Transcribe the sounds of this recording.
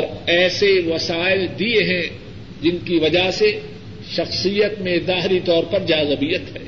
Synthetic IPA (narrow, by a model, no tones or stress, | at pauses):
ɾɛːseʋɐsaːɪld̪ieɦɛ̃ | d͡ʒɪnkiʋɐd͡ʒaɦse | ʃɐxsijət̪mẽzaːɦɪɾit̪ɔːɾpɐɾd͡ʒaːzəbiːjət̪ɦɛː